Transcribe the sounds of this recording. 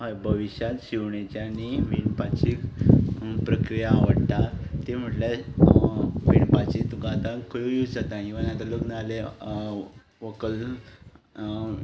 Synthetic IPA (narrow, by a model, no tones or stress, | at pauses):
ɦəbʱəʋiɕjat̪ɕiʋɳet͡ɕjaniʋiɳpat͡ɕik | pɾəkɾijaːʋəɽt̪at̪em̤əʈla | ʋiɳpat͡ɕit̪ɡat̪ãkəjujud͡zat̪aɦĩʋənat̪əloknale | ʋəkəl